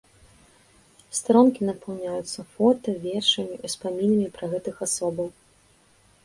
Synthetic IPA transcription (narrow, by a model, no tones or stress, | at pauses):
st̪ɾɔmkʲinɐpɐwnʲajut̪sːɐfɔt̪ɐvʲɛrʂɐmʲiʔispamʲinɐmʲipɾɐɣɛt̪ɨxasɔbɐw